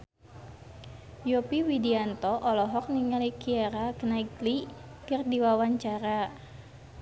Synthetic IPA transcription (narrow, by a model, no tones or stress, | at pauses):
jopiwidiant̪ɔʔɔlɔɦɔk̚niŋalikiaɾakənaiklikɨrdiwawaɲt͡ʃaɾa